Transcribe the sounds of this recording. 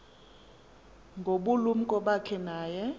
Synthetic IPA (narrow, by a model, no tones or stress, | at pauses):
ŋɡʱoɓulum̩kʼɔɓakʰɛnaːjɛ